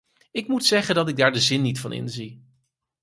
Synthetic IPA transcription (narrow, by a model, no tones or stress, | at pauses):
ɪkmutsɛχəndɑtɪɡ̚daːɹdəzɪnːitfɑnɪ̰nzi